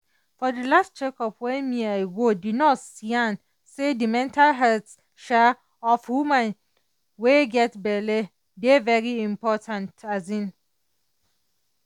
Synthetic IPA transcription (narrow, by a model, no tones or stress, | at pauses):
fɔdəlast̚t͡ʃʰɛkʰɔpwɛmĩaɪɡodɪdnɔtsiãn | sedimɛ̃ntʰalɦɛlts | ʃa | ɔfhumãn | weɡɛtbɛlɛ | devɛɹiɪ̃mpʰɔtʰãntʰazĩn